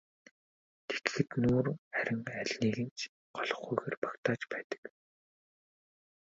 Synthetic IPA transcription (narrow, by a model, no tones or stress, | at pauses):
t̪ʰe̥t̪xɘ̆k̪nuːræɾʲɪ̆ŋæɮniːɣɘ̆nt͡ɕʰ | ɢɔɮɞ̆χɡujɣeːrpḁkt̪ʰaːt͡ɕpæːt̪ə̥̆k